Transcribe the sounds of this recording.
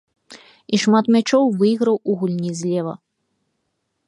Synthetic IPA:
iʂmat̪mʲat͡ʂɔwvɨjiɣɾɐwuɣulʲnʲizʲlʲɛvɐ̰

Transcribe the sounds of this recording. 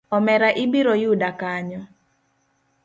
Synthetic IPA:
ɔmɛɾaʔɪbiɾɔjudakaɲɔ

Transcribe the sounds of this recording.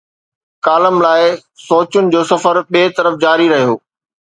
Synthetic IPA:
kaːləmlaːɪsoːt͡ɕʊnɪ̆d͡ʑoːsɐfəɾɓeːt̪ɐɾəfd͡ʑaːɾiɾɐɦijoː

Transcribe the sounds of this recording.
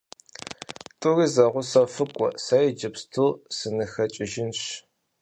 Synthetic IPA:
tʼʊriːzɐʁʷʊsɐfɨkʷʼɔ̰sɐjɪd͡ʒɐpstʰɨlsɨnɨxɐt͡ʃʼɪʒɪnɕ

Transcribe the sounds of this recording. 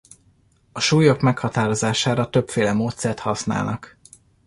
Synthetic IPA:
ɒʃuːjo̞kmɛkhɒt̪aːɾo̞zaːʃaːɾɒt̪ø̞pfeːlɛmoːt̪sɛrt̪hɒsna̰ːlnɒk

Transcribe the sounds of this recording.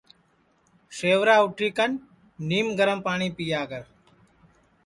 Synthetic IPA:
seːʋɾaːʊʈʰɾiːkən | niːmɡəɾəmpaːɳiːpiːjaːɡəɾ

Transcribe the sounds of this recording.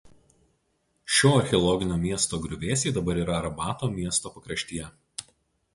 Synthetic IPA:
ʃʲoːɐɾʲxʲɛlˠɔɡʲɪnʲoːmʲiɛst̪oːɡɾʲʊʋʲeːsʲeːd̪ɐbɐɾiːɾɐɐɾɐbɑːt̪oːmʲiɛst̪oːpɐkɾɐʃʲt̪ʲijɛ

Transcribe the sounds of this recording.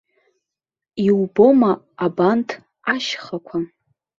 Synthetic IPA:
iwbo̞maː | bantʰ | aʃχakʷʰa

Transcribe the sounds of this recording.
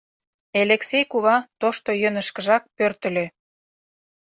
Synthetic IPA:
eleksejkuβɑt̪oʃt̪ojønəʃkə̆ʒɑk̚pørt̪ə̆lʲø

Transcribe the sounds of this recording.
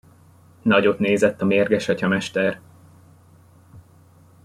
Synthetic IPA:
nɒɟo̞t̪neːzɛt̪ːɒmeːrɡɛʃɒcɒmɛʃt̪ɛr

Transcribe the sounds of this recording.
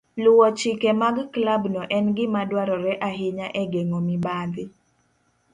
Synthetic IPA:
lʊwɔt͡ʃɪkɛmaɡklabnɔʔɛnɡɪmadwaɾɔɾɛʔaɦɪɲaʔɛɡeŋomɪband̪ɪ

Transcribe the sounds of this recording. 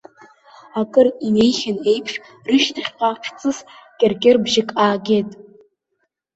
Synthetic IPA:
akʼɨrinejχʲɪne̞jpʰʂ | rɨʃtʰaχʲqʷʼaʈ͡ʂʰt͡sʼɨzkʲʼɪrɡʲʼɪrbʒɪkʼaːɡʲetʼ

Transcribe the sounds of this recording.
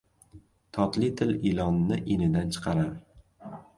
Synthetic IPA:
t̪ʰɒt̪lɪt̪ʰɪlɪlɒnːɪʔenɪd̪ant͡ʃʰɨ̥qʰɑɾaɾ

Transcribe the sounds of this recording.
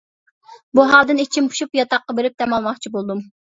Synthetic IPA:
buɦɑlˠd̪ɨnit͡ʃʰimpʰu̥ʃupjɑt̪ʰɑqːɑbeɾɪp̚t̪ʰɛmɑlˠmɑχt͡ʃʰibolˠd̪um

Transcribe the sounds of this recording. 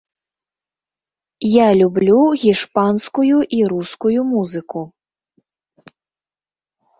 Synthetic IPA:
jalʲublʲuɣʲiʂpanskujuʔiɾuskujumuzɨku

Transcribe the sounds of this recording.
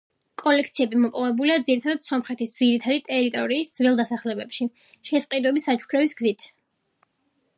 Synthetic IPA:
kʼɔlɛkʰt̪sʰiɛbimɔpʼɔvɛbuliad̪ziɾit̪ʰad̪ad̪̥sɔmχɾɛt̪ʰisd̪ziɾit̪ʰad̪it̪ʼɛɾit̪ʼɔɾiːsd̪zwɛlˠd̪asaχlɛbɛpʃi | ʃɛsʼqʼid̪ɛbisːat͡ʃʰu̥kʰɾɛbisɡzit̪ʰ

